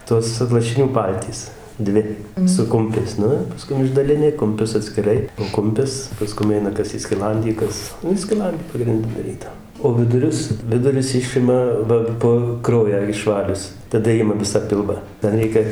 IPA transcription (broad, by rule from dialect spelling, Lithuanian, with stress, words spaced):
ˈtoːs lˠɐʃʲɪˈnʲuː ˈpɐlʲtʲiːs ˈdʲʋʲɪ sʊ ˈkʊmʲpʲɛɪs ˈnʊ ɪr pɐˈskʊm ɪʒdɐlʲɪˈnʲɪ kʊmʲˈpʲʊs ɐtʲsʲkʲɪˈrɐɪ ˈkʊmʲpʲɪs pɐˈskʊm ˈɛɪnɐ ˈkɐs iː sʲkʲɪˈlˠɐnʲdʲiː ˈkɐs ˈnʊ iː sʲkʲɪˈlˠɐnʲdʲɪ pɐɡrʲɪnʲˈdʲɪ dɐˈrʲiːdɐ oː ˈʋʲɪdʊrʲʊs ˈʋʲɪdʊrʲʊs ˈɪʃʲɪmɐ ˈʋɐ poː ˈkrɐʊjæː ɪʃˈʋɑːlʲʊs tɐˈdɐ ˈɪmɐ ˈʋʲɪsɑː ˈpʲɪlˠʋɑː dɐ ˈlʲiɛkɐ